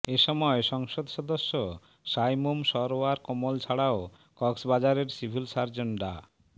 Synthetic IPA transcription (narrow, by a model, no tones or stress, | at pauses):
eʃɔmɔeʃɔŋʃod̪ʱʃɔd̪oʃːo | ʃajmumʃɔɾoaɾkomolt͡ɕʰaɽao | kɔksbad͡ʑaɾeɾsibʱilsaɾd͡ʑeɳɖa̰